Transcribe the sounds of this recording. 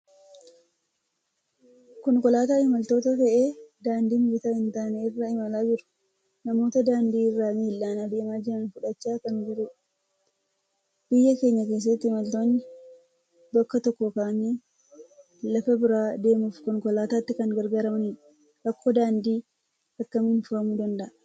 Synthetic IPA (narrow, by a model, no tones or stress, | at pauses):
kɔŋkɔlaːt̪aːɪmɐlt̪o̞ːt̪ɐfɐʔe̞ːd̪aːnd̪iːnɡɪt̪aːhɪnt̪aːneɪrːɐɪmɐlaːd͡ʒɪɾʊ̥ | nɐmo̞ːt̪ɐd̪aːnd̪iːɪrːaːmiːlːaːnaːd̪e̞ːmaːd͡ʒɪɾɐnfʊᶑɐt͡ʃːaːkɐnd͡ʒɪɾɛ | bɪjːɐke̞ːɲːɐke̞ːs̬ːɐt̪ːɪɪmɐlt̪oːnːɪ | bɐkːɐt̪ɔkːɔkaːni | lɐfɐbɪɾaːd̪e̞ːmʊfkɔŋkɔlaːt̪aːt̪ːɪkɐŋɡɐɾɡaːɾɐmɐni | ʔɐkːoːd̪aːnd̪iː | ɐkːɐmɪnfʊhɐmud̪ɐnd̪ɐʔɐ